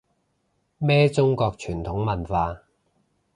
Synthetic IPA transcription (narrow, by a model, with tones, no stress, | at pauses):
mɛː˥t͡sʊ˥ŋkɔː˧k̚t͡ʃʰyː˨˩nt̪ʰʊ˨˥ŋmɐ˨˩nfaː˧